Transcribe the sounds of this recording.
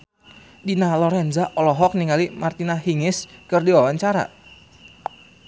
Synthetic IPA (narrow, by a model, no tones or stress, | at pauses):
dinalɔɾɛnzaʔɔlɔɦɔk̚niŋalimart̪inaɦiŋɪskɨrdiwawaɲt͡ʃaɾa̰